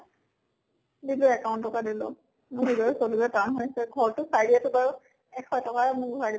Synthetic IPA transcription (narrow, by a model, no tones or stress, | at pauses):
dilʊɛkaʊ̃ntːɔkadilʊ̰ | mʊɹɦizɔɹɛsolulɛtanɦojsɛɡʱɔɹtʊsajdiatʊbaɹu | ɛkʰɔjtɔkamʊɡʱɔadi